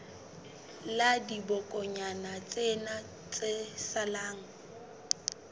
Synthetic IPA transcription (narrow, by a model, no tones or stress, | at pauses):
ladibɔkʼɔɲanat͡sʼena | t͡sʼesalaːŋ̩